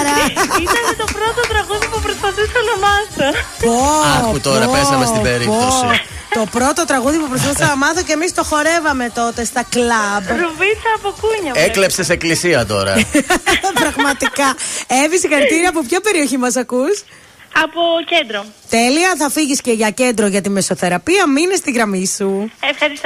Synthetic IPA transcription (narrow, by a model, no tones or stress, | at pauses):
ɾɐ | t̪opɾot̪ot̪ɾɐɣuðipupɾost̪ɐθisɐnɐmɐθopoɐut̪oɾɐpesɐmest̪beɾipot̪osi | o̞pɾo̞t̪ot̪ɾɐɣuðipupɾosfɐθisɐnɐmɐθocemist̪o̞xo̞ɾe̞vɐme̞t̪o̞t̪e̞st̪ɐklɐvɾovisɐːpokuɲɐeklepseseklisiɐt̪o̞̰ɾɐ̰ | pɾɐɣmɐt̪ikɐevisixɐɾit̪iɾɐːp̬opçɐpe̞ɾio̞çimɐsɐkus | ɐpocend̪ɾot̪e̞liɐθɐfiʝisce̞ʝɐce̞nd̪ɾoʝɐt̪imeso̞θe̞ɾɐpiɐminest̪iɣɾɐmisuefxɐɾis